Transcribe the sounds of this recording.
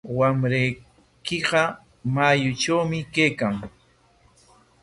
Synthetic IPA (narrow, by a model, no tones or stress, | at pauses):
wamɾaj | kɪɢɑ | majʊt͡ʃawmɪkejkaŋ